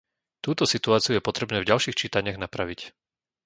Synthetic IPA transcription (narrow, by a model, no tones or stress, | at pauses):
t̪uːt̪ɔsit̪uaːt͡siujɛpɔt̪ɾɛbnɛːvɟalʃiːxt͡ʃiːt̪aɲɪaɣnapɾaʋic